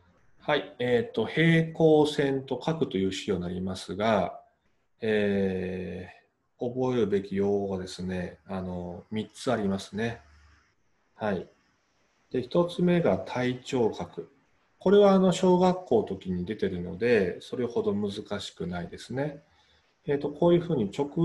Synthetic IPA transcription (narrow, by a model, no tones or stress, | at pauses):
haie̞t̪ːo̞he̞ːko̞ːsẽ̞nt̪o̞kakɯ̟t̪o̞jɯ̟ːɕio̞naɾʲimasɨɡa | eː | o̞bo̞e̞ɾɯ̟be̞kʲijo̞ːhoɡad̪e̞sɨne̞ano̞mʲit͡sɨaɾʲimasɨ̥ne̞ | hai | d̪̥e̞çi̥t̪o̞t͡sɨme̞ɡat̪ʰait͡ɕo̞ːkakɯ̟ | ko̞ɾe̞β̞aːno̞ɕo̞ːɡakːo̞ːt̪o̞kʲiɲ̟id̪e̞t̪e̞ɾɯ̟no̞̰d̪e̞so̞ɾe̞ho̞d̪o̞mɯ̟zɨkaɕi̥kɯ̟naid̪e̞sɨne̞ː | t̪ːo̞ko̞ːjɯ̟ːɸɯ̟ːɲ̟it͡ɕo̞kɯ̟